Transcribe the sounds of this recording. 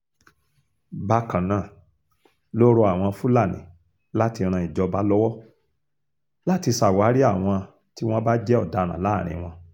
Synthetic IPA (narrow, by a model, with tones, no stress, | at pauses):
ba˦kã˨nãː˨ | lo˦ɾo˧˦a˨w̃ɔ̃˧fu˦la˦˨nḭ̃˨ | la˦ti˧ɾ̃ã˧i˨d͡ʒɔ˧ba˦lɔ˦wɔ˦ | la˦ti˧sa˨wa˨˦ɾi˦a˦˨w̃ɔ̃˧ | ti˦w̃ɔ̃˦ba˦d͡ʒɛ˦ɔ˦˨da˨˦ɾ̃ã̰˨la˨˦˨ɾ̃ḭ̃˧w̃ɔ̃˧